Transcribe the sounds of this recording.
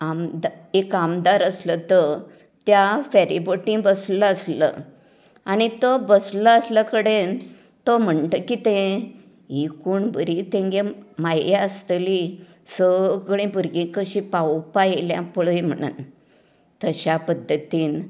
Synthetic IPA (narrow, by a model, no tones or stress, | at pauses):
amd̪ekamd̪aɾəslət̪ə | t̪jafaɾiboʈĩbəsləəslə̰ | añit̪ɔbəsləəsləkəɽen | t̪ɔm̤əɳt̪əkit̪ẽ | ikuːɳbəɾit̪ẽŋɡemajjaəst̪əli | səɡɽĩbuɾɡĩkəɕĩpawpajeljã̰pəɭəjm̤əɽ̃ṵːn | t̪əɕapəd̪ʱːət̪iːn